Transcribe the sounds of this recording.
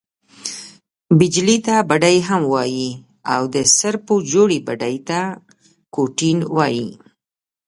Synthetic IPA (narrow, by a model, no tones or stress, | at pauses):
bɪd͡ʒlit̪abaɖajɦamwɑji | awd̪əsaɾpud͡ʒoɽibaɖajt̪a | koʈinwɑji